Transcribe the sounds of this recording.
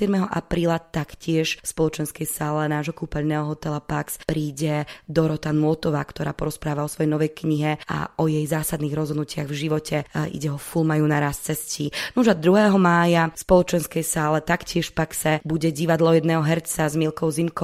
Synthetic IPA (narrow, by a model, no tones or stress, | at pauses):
ɛd̪mɛɦɔʔapɾiːlat̪akcɪɛʃfspɔlɔt͡ʃɛnskɛjsaːlɛnaːʒɦɔkuːpɛʎnɛɦɔɦɔt̪ɛlapakspɾiːɟɛd̪ɔɾɔt̪anuɔt̪ɔʋaːkt̪ɔɾaːpɔɾɔspɾaːʋaɔsʋɔjɛjnɔʋɛjkɲiɦɛa̰ʔɔjɛjzaːsad̪niːɣɾɔzɦɔd̪nucɪaɣvʒiʋɔcɛʔḭɟɛɦɔfulmajunaɾast̪t͡sɛsciːnuʒad̪ɾuɦɛːɦɔmaːjafspɔlɔt͡ʃɛnskɛjsaːlɛt̪akcɪɛʃfpaksɛbuɟɛɟiʋad̪lɔjɛd̪nɛːɦɔɦɛɾt͡sazmiːlkɔʊzimkɔ